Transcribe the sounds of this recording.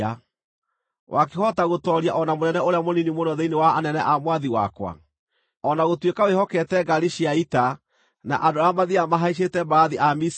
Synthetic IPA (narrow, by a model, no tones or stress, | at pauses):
a | wʔakehɔtaɣotɔɾjaʔɔnamonɛnɛoɾeamoninimonɔðeinewaːnɛnɛʔamwaðiwa̰kwa̰ | ɔnaɣotwekawehɔkɛtɛɡaɾiʃiaita | na̰ʔandoamaðiamaɦaiʃ̬etɛmbaːðiʔamis